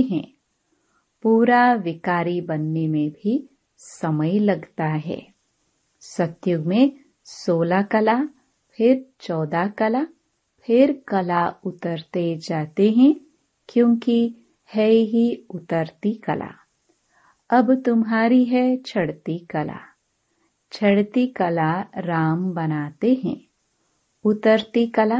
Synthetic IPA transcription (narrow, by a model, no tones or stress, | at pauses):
ɦɛ̰̃ː | puːɾaʋɪkaːɾibɐnːemẽbʱi | sɐməjlɐɡt̪aɦɛ̰ː | sɐt̪jʊɡmẽ | soːlakɐla | pʰɪɾt͡ʃɔːd̪akɐla | pʰɪɾkɐlaʊt̪əɾt̪ed͡ʒaːt̪eɦɛ̃ | kjõːki | hɛɦiʊt̪əɾt̪ikɐla̰ː | ɐbt̪ʊmɦaːɾiɦɛt͡ʃʰɐɽt̪ikɐla̰ː | t͡ʃʰɐɽt̪ikɐlaɾaːmbɐnaːt̪eɦɛ̰̃ː | ʊt̪əɾt̪ikɐla